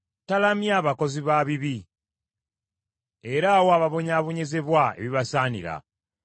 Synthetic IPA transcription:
talamjaːβako̞ziβaβiβi | e̞ɾaːwoaβaβo̞ɲaːβo̞ɲe̞ze̞βwae̞̰βiβasaːnḭɾa̰

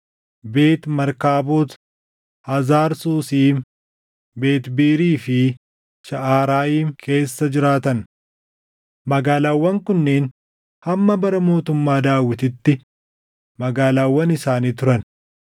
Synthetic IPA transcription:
be̞ːt̪mɐɾkaːboːt̪ | hɐzaːɾsuːsiːm | be̞ːt̪biːɾiːfɪ | ʃɐʔaːɾaːjiːmkʰe̞ːsːɐd͡ʒɪɾaːt̪ɐn | mɐɡaːlaːwːɐŋkʊnːeːn | hɐmːɐbɐɾɐmo̞ːt̪ʊmːaːd̪aːwːɪt̪ɪt̪ːɪ | mɐɡaːlaːwːɐnɪsaːniːt̪ʊɾɐn

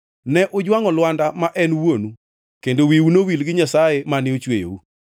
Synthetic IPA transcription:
nɛʔʊd͡ʒwaŋɔlwandamaʔɛnwonu | kendowiunowilɡɪɲasajemanɪot͡ʃwḛjo̰u

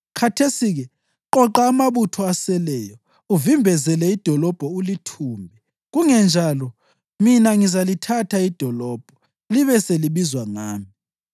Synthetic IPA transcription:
kʰatʰesiɣɛ | ǃɔǃaːmaβutʰɔasɛlɛːjɔ | uvimbʱɛzɛlɛid̥ʱɔlɔb̥ʱɔulitʰuːmbʱɛ | ɣuŋɛnd͡ʒʱalɔ | minaŋizalitʰatʰaid̥ʱɔlɔːb̥ʱɔ | liβɛseliβizwaŋaːmi

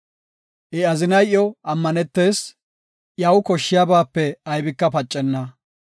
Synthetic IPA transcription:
ʔɛɐzɪnɐjʔjɔʔɐmːɐnɛt̪ːe̞ːs | ʔjɐwkɔʃːɪjabaːpːɛɐjbɪkːɐpɐt͡ʃʼːɛnːɐ

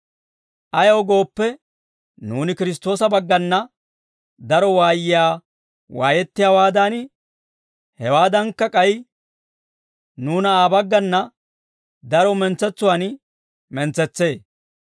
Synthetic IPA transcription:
ʔɐjɐwɡo̞ːpːɛ | nuːnɪkɪɾɪs̬t̪ːo̞ːsɐbɐɡːɐnːɐ | d̪ɐɾɔwaːjɪjaː | wa̰ːjɛt̪ːɪjawaːd̪an | hɛwaːd̪ɐnkːɐkʼɐj | nuːnɐaːbɐɡːɐnːɐ | d̪ɐɾɔmɛnt͡sːɛt͡sːʊwaːn | mɛnt͡sːɛt͡sːe̞ː

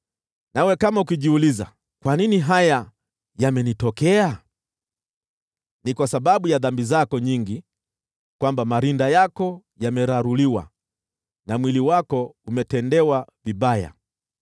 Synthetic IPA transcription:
nawɛkamaukiʄiuliza̰ | kwaniniɦaja | jamɛnitɔkɛa | nikwasaɓaɓujaðambizakɔɲiŋɡi | kwambamaɾindajakɔ | jamɛɾaɾuliwa̰ | namwiliwakɔumɛtɛndɛwaviɓaja̰

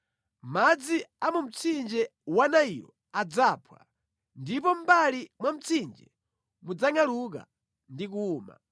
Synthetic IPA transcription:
mmad͡ziamum̩t͡sʰind͡ʒɛwanaijɔ | ad͡zapʰwa̰ | ndipɔm̩balimwam̩t͡sʰind͡ʒɛ̰ | mud͡zaŋaluk̬a̰ | ndik̬uːma̰

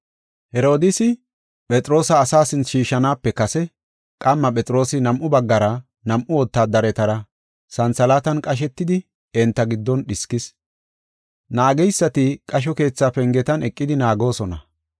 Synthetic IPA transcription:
hɛɾo̞ːd̪ɪsɪ | pʼɛt͡sʼɾo̞ːsɐːsaːsɪnt͡sʃiːʃɐnaːpːɛkɐsɛ | kʼɐmːɐpʼɛt͡sʼɾo̞ːsɪnɐmʔʊbɐɡːɐɾɐ | nɐmʔʊwɔt̪ːaːd̪ɐɾɛt̪ɐɾɐ | sɐnt͡sɐlaːt̪ɐnkʼɐʃ̬ɛt̪ːɪd̪ɪ | ɛnt̪ːɐɡɪd̪ːɔnɗɪskɪs | naːɡɛjsːɐt̪ɪkʼɐʃ̬ɔke̞ːt͡sːaːpɛŋɡɛt̪ɐnɛkʼːɪd̪ɪnaːɡo̞ːsɔnɐ̰

